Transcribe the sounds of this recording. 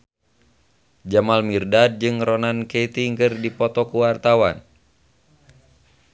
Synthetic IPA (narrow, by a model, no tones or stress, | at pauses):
d͡ʒamalmirdad̚d͡ʒɨŋrɔnanket̪iŋkɨrdipɔt̪ɔkuwart̪awan